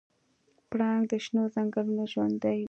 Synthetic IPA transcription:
pɽɑŋɡd̪əʃnozaŋɡalunoʒwand̪aj

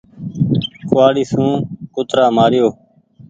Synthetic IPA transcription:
kʊʋaːɽiːsũːkʊt̪ɾaːmaːɾɪjoː

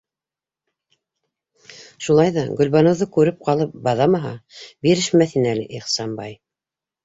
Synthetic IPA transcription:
ʃulˠɑjðɑɡɵ̆lβɑnɤ̆wðɤkʉɾɘp̚qɑlˠɤp̚bɑðɑmɑɦɑ̰biɾɘ̆ʃmæθinælɘʔiχsɑmbɑj

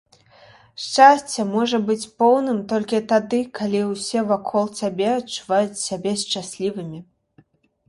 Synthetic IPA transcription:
ʂt͡ʂasʲt͡sʲːɛmɔʐɐbɨt͡sʲpɔwnɨmt̪ɔlʲkʲit̪ad̪ɨkʰalʲiwsʲɛvakʰɔlˠsʲabʲɛɐtt͡ʂːuvajut͡sʲsʲabʲɛst͡ʂasʲlʲivɨmʲi

